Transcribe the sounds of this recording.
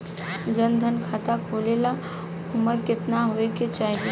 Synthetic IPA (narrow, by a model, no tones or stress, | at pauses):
d͡ʒənd̪ʱənkʰat̪akʰolela | ʊməɾkɪt̪naɦoeket͡ʃaːɦie